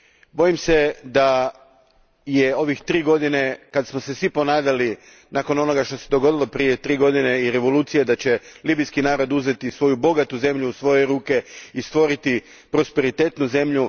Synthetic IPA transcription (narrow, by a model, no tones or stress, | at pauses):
bo̞jimse̞d̪a | jeo̞ʋixt̪ɾiːɡo̞d̪ine̞kad̪smo̞se̞sʋipo̞naːd̪ali | naːko̞no̞no̞ɡaʃt̪o̞se̞d̪o̞ɡo̞d̪ilˠo̞pɾije̞t̪ɾiːɡo̞d̪ineiɾe̞ʋo̞luːt̪sijed̪at͡ɕe̞liːbijskinaːɾo̞d̪uze̞t̪isʋo̞jubo̞ɡat̪uze̞mʎuːsʋo̞jeɾuːke̞ist̪ʋo̞ɾit̪i | pɾo̞spe̞ɾit̪e̞t̪nuze̞mʎu